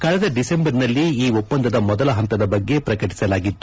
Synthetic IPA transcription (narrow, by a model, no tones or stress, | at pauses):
kɐɭɛd̪ɐɖise̞mbɐɾnɐlːiiːopːɐnd̪ɐd̪ɐmɔd̪ɐlɐɦɐnt̪ɐd̪ɐbɐɡːe̞pɾɐkɐʈi̥sɐlaːɡit̪ːu